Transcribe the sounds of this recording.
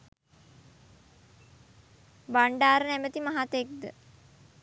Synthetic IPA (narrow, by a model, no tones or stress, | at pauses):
baɳɖaːɾənæmət̪imaɦat̪ek̚d̪ə̰